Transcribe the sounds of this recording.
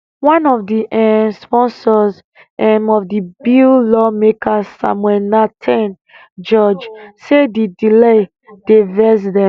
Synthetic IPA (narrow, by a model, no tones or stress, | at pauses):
wãnɔfdiʔɛspɔ̃nsɔz | ɛmɔvdibillɔmekʰasa̰mwɛlnatʰɛ̃n | d͡ʒɔd͡ʒsedidile | d̥evɛs̬dɛ̃